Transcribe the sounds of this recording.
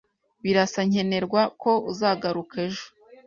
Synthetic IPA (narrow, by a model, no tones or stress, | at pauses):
βiɾasaɲe̞ne̞ɾɡwako̞uzaːɡaɾukeʒo̥